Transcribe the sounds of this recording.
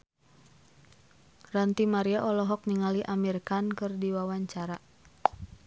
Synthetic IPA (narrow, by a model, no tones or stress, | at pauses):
rant̪imaɾiaʔɔlɔɦɔk̚niŋaliʔamirkankɨrdiwawaɲt͡ʃaɾa